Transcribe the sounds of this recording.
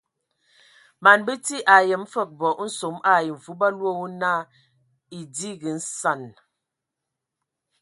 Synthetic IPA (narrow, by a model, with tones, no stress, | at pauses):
ma˨nbə˦ti˦ʔa˨jə˨m̩˦fə˦˨k̚bɔ˨ʔn̩˦so˨˦ma˦˨ji˨ɱ˨vu˦ba˦lwo˦˨wu˦na˦˨ | i˨di˦ɡə˨n̩˦sa˨n